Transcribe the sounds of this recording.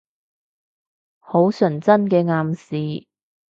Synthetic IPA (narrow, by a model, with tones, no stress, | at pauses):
ho˨˥wsɵ˨˩nt͡sɐ˥nkɛː˧ŋaː˧msiː˨